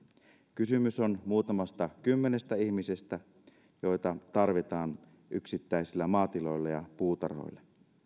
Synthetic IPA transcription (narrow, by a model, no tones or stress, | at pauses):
kysymysonmuːt̪ɑmɑst̪ɑkymːenest̪æihmisest̪æ | jo̞jt̪ɑt̪ɑrʋit̪ɑːn | ʔyksit̪ːæisilːæmɑːt̪ilo̞jlːejɑpuːt̪ɑ̰rho̰jlːe